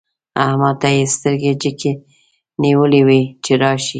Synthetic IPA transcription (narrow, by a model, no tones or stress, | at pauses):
ahmat̪ajest̪əɾɡed͡ʒəkʰe | niwəliwit͡ʃeɾɑʃi